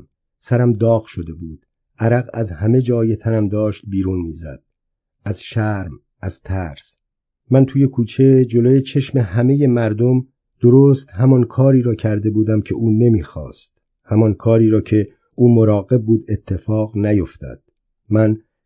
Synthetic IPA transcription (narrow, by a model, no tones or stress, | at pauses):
sæɾæmd̪ɒːɣʃo̞d̪e̞buːd̪̥ | ʔæɾæɣæzhæme̞d͡ʒɒːje̞t̪ʰænæmd̪ɒːʃt̪̚biːɾuːnmiːzæ̰d̪̥ | æzʃæɾm | æz̥t̪ʰæːɾs | mænt̪ʰuːje̞kʰuːt͡ʃʰe̞d͡ʒo̞loːjet͡ʃʰe̞ʃme̞hæme̞je̞mæɾd̪om | d̪̥oɾoːst̪hæmɒnkʰɒːɾiːɾɒːcʰæɾd̪e̞buːd̪æmcʰe̞ʔuːne̞miːxɒ̰ːst̪ | hæmɒnkʰɒːɾiːɾɒːcʰe̞ | ʔuːmoɾɒːɣe̞b̚ːuːd̪e̞t̪ʰːe̞fɒːɣnæjo̞ft̪ɒ̰ːd̪̥ | mæn